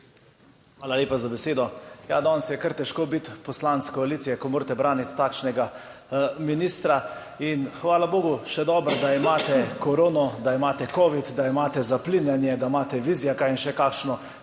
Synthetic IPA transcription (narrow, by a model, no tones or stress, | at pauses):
xaːlalʲjeːpazabɛseːd̪ɔja̰d̪ɔːnsjɛkəɾt̪ɛʃkoːbit̪pɔslant̪skɔaliːsijɛkɔmoːɾt̪ɛbɾaːnit̪ːaːkʃnɛɡa | minist̪ɾa | inxʋaːlaboːɡuʃɛd̪ɔːbɾd̪aimaːt̪ɛkɔɾoːnɔd̪aimaːt̪ɛkɔːʋit̪d̪aimaːt̪ɛzapliːnjɛnjɛd̪aimaːt̪ɛʋiːzijakainʃɛkaːkʃnɔ